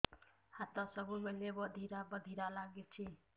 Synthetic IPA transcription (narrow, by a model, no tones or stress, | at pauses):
hat̪ɔsəbumelebəd̪ʱiɾabəd̪ʱiɾalaɡet͡ʃʰe